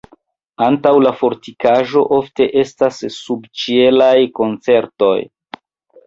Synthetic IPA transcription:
antawlafo̞ɾtikaʒo̞̰ʔo̞fte̞ʔe̞stasːubt͡ʃie̞lajko̞nt͡se̞ɾto̞̰j

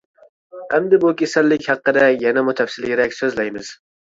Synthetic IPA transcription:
hamd̪ɪbʊkʲesalːɪkʲhɑqːɨd̪ajanamʊt̪ʰafsɪlɡeɾakʲsɵzlajmɪz̥

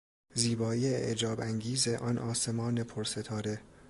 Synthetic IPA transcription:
ziːbɒːiːeḛʔed͡ʒɒːbæŋɡiːzeʔɒːnʔɒːse̞mɒːne̞pʰoɾse̞t̪ʰɒːɾe

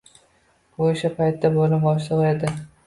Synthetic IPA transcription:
oʃapʰajt̪ːabolɪpbɒʃ̬lˠɨʁed̪ɪ

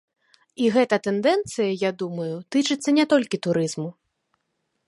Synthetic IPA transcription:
iɣɛt̪ɐt̪ɛnd̪ɛnt̪sɨjɐjad̪umɐjut̪ɨt͡ʂɨt̪sːɐnʲɛt̪ɔlʲkʲit̪uɾɨzmu

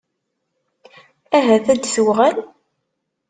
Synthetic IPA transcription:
æɦæθæd̪suʁæl

